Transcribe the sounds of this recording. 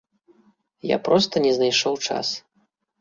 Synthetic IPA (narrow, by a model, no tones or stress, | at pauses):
ja̰pɾɔst̪ɐnʲɛznajʂɔwt͡ʂa̰s